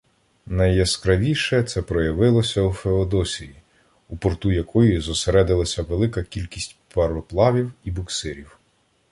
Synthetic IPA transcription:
nɐjjɛskɾɐʋʲiʃɛt̪sɛpɾɔjɐʋɪlˠɔsʲɐufeɔd̪ɔsʲiji | upɔrt̪ujɐkʰɔjizɔseɾɛd̪ɪlˠɐsʲɐʋelˠɪkɐkʲilʲkʲisʲtʲpɐrɔplˠɑʋʲiwibʊksɪɾʲiw

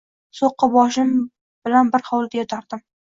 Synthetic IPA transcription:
soqːɑbɒʃɪm | b̥ɪlanbɪɾhɒwlˠd̪ajɒt̪ʰaɾd̪ɪm

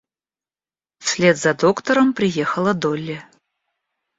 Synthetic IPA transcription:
fsʲlʲet̪zad̪okt̪əɾəmpɾʲɪjexəlˠəd̪olʲːe

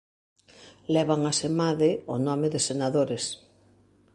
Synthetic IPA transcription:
lɛβ̞aŋasemaðɪʊnɔmɪðɪsenaðoɾɪs

